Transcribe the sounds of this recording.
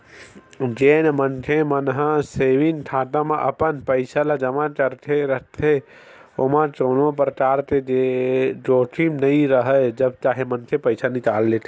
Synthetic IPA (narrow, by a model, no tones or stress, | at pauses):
d͡ʒeːnmənkʰemənɦãseːʋinʈ̪ʰaːt̪amãʔə̰pənpəɪsʰalad͡ʒəmat͡ʃəɾt̪ʰeɾəɦt̪ʰe | omãt͡ʃoːnõpəɾʈaːɾt̪ed͡ʒeɖoːʈʰimnəĩɾəɦəd͡ʒəb̚t͡ʃaːɦemənkʰepəɪsʰanɪkaːlːet̪ʰe